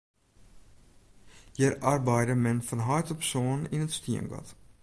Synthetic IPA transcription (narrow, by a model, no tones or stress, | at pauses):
jɛɾʔarbɛjdəmɛnfɔnɦɑjtəpsoːninətstiənɡɔ̰t